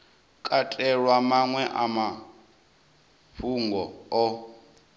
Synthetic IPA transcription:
kʼatʼɛɺwamaŋwɛʔama | ɸuŋɡɔɔ

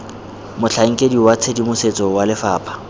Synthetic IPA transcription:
mʊt͡ɬʰaŋ̩kʼediwat͡sʰedimʊset͡sʼɔwalɪfaːpʰʼḁ

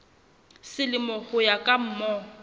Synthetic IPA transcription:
sɪlɪmɔhʊjakʼam̩mɔ

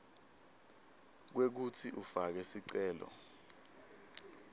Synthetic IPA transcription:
k̬wek̬utʰiʔufak̬ɛsiǀɛːlɔ̰

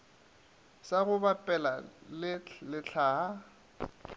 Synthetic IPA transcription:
saɣʊbapʼɛlalɪlɪɬʰaːɦa

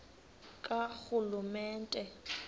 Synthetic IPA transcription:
kʼak͡xʊlumɛːntʼɛ

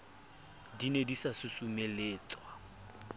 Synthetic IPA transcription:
dinedisasʊsumeleːt͡sʼwa

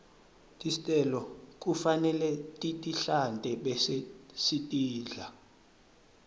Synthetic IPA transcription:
tʼisitʼɛlɔk̬ʼufanɛlɛtʼitʼiɬantʼɛɓɛsesitʼiːɮa

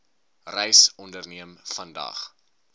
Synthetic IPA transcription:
rɛjsɔndərniəmfɐndɐ̰χ

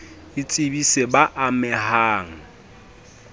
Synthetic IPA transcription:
ɪt͡sʼɪbisebaʔamɛhaːŋ̩

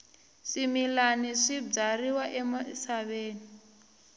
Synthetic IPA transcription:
ʂimilaniʂib͡ʐariwaʔɛmasaβeːni

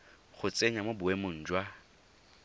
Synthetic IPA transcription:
χʊt͡sʼeɲamobʊwemʊn̩ːd͡ʒwa

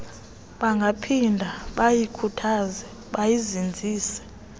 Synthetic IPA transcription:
ɓaŋɡʱapʰindʱaɓajikʰutʰazɛ | ɓajizind͡zʱiːsɛ̥

